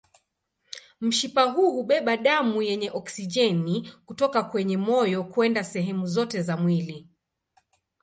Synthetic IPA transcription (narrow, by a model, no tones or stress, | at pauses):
m̩ʃipaɦuhuɓɛɓaɗamujɛɲɛʔɔksid͡ʒɛnikutɔkakwɛɲɛmɔjɔkuɛndasɛɦɛmuzɔtɛzamwili